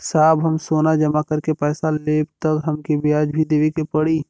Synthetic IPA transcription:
saːbɦəmsoːnad͡ʒɐmakəɾkepɛːsaleːbt̪əkɦɐmkibejaːd͡ʒbʱid̪eːʋekepəɽi

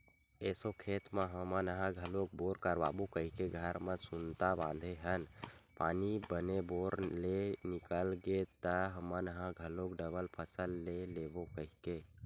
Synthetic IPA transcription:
eːsokʰeːt̪mãɦəmənəɦãɡʱəlok̚boːɾkəɾʋa̰ːbukəɦikeɡʱəɾmə̃sunt̪abã̰ːnd̪ʱeɦənpaːnibəneboɾlenikəlɡet̪əɦəmənəɦãɡʱəlokɖəbəlpʰəsəlːeleːbokəɦike

